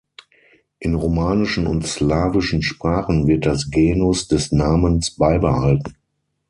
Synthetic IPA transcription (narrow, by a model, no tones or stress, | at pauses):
ʔɪnʁomaːnɪʃn̩ʊntslaːvɪʃn̩ʃpʁ̥aːχn̩vɪɐt̚d̥asɡeːnʊsd̥ɛsnaːmənsb̥aɪbəhaltn̩